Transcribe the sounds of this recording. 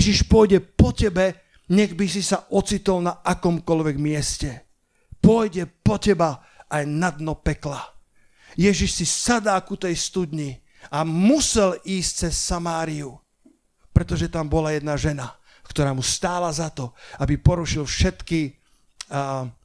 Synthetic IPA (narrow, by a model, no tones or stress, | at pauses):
jʒiʃpʊɔjɟɛpɔcɛbɛ | ɲɛɣbis̬isaʔɔt͡sit̪ɔlnaakɔmkɔlʋɛɡmɪɛscɛ | pʊɔjɟɛpɔcɛba | ajnad̪nɔpɛkla | jɛʒiʃsisad̪aːkut̪ɛjst̪ud̪ɲi | amusɛliːsc̚t͡sɛsːamaːɾiu | pɾɛt̪ɔʒɛt̪ambɔlajɛd̪naʒɛna | kt̪ɔɾaːmust̪aːlazat̪ɔabipɔɾuʃilfʃɛt̪ki